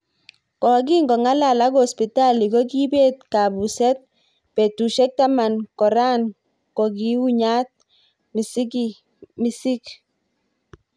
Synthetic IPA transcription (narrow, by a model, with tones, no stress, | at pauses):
kɔ˨ɡ̬i˦ŋɡɔ˨ŋa˦la˨la˦ko˨spi˨ta˦li˨kɔ˦ki˦be˦t̚ka˨bu˨sɛ˦t̚ | pɛ˨tu˨ʃɛ˦k̚ta˦ma˨nkɔ˨ɾa˦n | kɔ˨ɡi˦u˦ɲa˦t̚ | mi˨si˦ki | mi˨si˦k